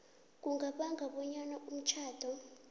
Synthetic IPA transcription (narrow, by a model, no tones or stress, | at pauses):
k̬ʼuŋɡʱaɓaŋɡʱaɓɔɲanaum̩t͡ʃʰaːd̥ʱɔ